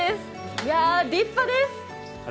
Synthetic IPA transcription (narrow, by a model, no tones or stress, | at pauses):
ɪs | jaɖiːpfəd̪ɪs